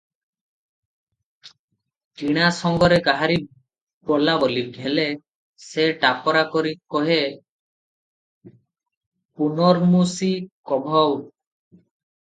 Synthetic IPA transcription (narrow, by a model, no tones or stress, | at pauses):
tiɽ̃asɔŋɡɔɾeɡaɦaɾi | pɔlabɔliɡʱele | seʈapɔɾakɔɾikɔɦe | punɔɾmusikɔbʱɔw